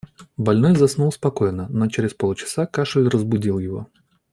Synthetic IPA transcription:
bɐlʲnojzɐsnulˠspɐkojnənot͡ɕɪɾʲɪspolˠt͡ɕɪ̥sakaʂɨlʲrəzbʊdʲilˠjɪvo̞̰

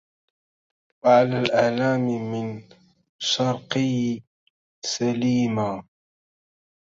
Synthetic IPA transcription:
waʕalaːlʔaʕlaːmmɪn | ʃɑɾˤqɪj | saliːmaː

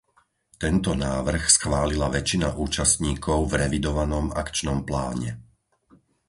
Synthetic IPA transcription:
t̪ɛnt̪ɔnaːʋr̩xsxʋaːlilaʋɛt͡ʃina̰ʔuːt͡ʃast̪ɲiːkʰɔʊvɾɛʋid̪ɔʋanɔma̰kt͡ʃnɔmpla̰ːɲɛ̰

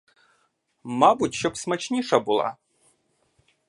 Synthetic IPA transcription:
mabutʲɕɔpsmɐt͡ɕnʲiʂɐbɨlˠa̰

